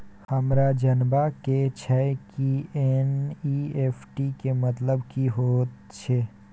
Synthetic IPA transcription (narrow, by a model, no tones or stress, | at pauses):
həmɾad͡ʒənbaket͡ʃʰɛkienieːpʰʈikemət̪ləbkiɦoːt̪ | t͡ʃʰe